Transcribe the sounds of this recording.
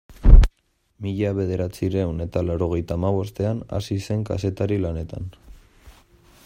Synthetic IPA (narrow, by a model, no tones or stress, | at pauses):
miʎaβe̞ð̞e̞ɾat͡siɾewne̞t̪alaɾo̞ɣ̞e̞jt̪aːmaβ̞o̞st̪e̞ana̰sise̞ŋka̰se̞t̪aɾilane̞t̪a̰n